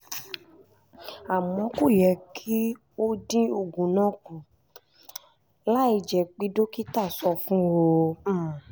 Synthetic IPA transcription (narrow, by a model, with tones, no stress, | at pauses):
a˨mɔ̃˨˦ko˦˨jɛ˨kʰi˦ | o˦dĩ˦o˨ɡũ˨nã˨˦kũ˨ | la˦i˧˨d͡ʒɛ˨k͡pi˧˦do˦ki˦ta˦˨sɔ˧fũ˦o˦˧˦